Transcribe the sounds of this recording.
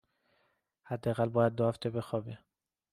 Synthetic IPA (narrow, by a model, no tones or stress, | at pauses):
hæd̪ːeæɣælbɒːjæd̪̚ːohæft̪ʰe̞be̞xɒbi